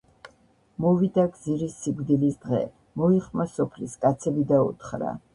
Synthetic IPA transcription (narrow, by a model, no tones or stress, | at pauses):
mɔvid̪aɡziɾisːiɡʷd̪ilisd̪ʁɛ̰ | mɔiχmasɔpʰliskʼat̪sʰɛbid̪aṵt̪χɾa̰